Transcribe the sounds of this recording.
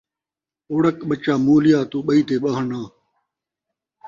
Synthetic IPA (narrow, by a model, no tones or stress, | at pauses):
oːɽɐkɓɐt͡ɕaːmoːlijaːt̪uːɓɐiːt̪eːɓɐɦəɳãː